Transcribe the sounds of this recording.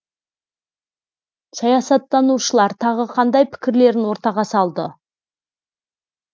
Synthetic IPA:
sɑjɑsɑt̪ːɑnuʃəlˠɑɾt̪ʰɑʁəqʰɑnd̪ɑjpʰɪ̥kʲɪɾle̞ɾɪnwo̞ɾt̪ɑʁɑsɑlˠd̪ə

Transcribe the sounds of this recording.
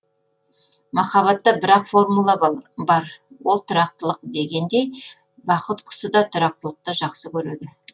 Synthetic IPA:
mɑχɑβɑt̪ːɑbɪɾɑqfo̞ɾmulˠɑbɑɾwo̞lˠt̪ʰʊɾɑqt̪əlˠəq̚d̪e̞ɡʲe̞nd̪e̞j | bɑqət̪qʰʊ̥səd̪ɑt̪ʰʊɾɑq̚t̪əlˠəq̚t̪ɑʒɑqsəkʲʰɵɾed̪ɪ

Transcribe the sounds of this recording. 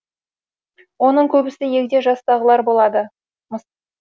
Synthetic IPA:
wo̞nəɴkʲʰɵbɪsɪje̞kʲd̪e̞ʒɑst̪ɑʁəlˠɑɾbo̞lˠɑd̪ə | mə

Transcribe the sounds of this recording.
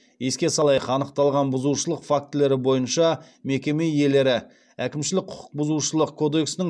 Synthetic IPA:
je̞skʲe̞sɑlˠɑjəqɑnəqt̪ɑlˠʁɑnbʊzuʃəlˠəqfak̚t̪le̞ɾɪbo̞jənʃɑ | me̞kʲe̞me̞je̞le̞ɾɪ | ækʲɪmʃɪlɪk̚qʰʊ̥qʰʊ̥q̚bʊzuʃəlˠəqkʰːo̞d̪e̞ksɪnɪŋ

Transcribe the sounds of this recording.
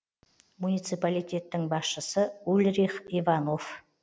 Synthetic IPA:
munijt̪sɨpalijt̪ʲe̞t̪ːɪŋbɑsʃəsəulʲɾiχivɑno̞f

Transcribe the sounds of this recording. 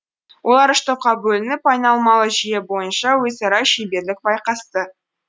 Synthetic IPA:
wʔo̞lˠɑɾɪʃt̪op̚qɑbɵlɪnɪpɑjnɑlˠmɑlˠəʒijebo̞jənʃɑwɵzɑɾɑʃejbe̞ɾlɪk̚bɑjqɑst̪ə

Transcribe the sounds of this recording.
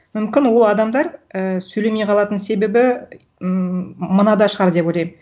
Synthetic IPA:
mʏmkʲɪnwo̞lˠɑd̪ɑmd̪ɑɾəsɵle̞mejqʰɑlˠɑt̪ənse̞be̞bɪ | mənɑd̪ɑʃəʁɑɾd̪e̞pwojlˠɑjm

